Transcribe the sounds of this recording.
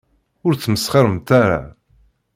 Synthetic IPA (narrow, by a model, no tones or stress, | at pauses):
ʊɾθməsχəɾˤəmt̪aɾa̰